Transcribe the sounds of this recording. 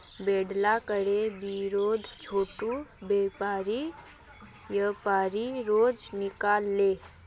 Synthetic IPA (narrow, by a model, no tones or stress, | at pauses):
beːɖlakəɽebiɾoːd̪ʱt͡ʃʰoːʈubeːpaːɾi | jəpaːɾiɾoːd͡ʒnɪkaːlːe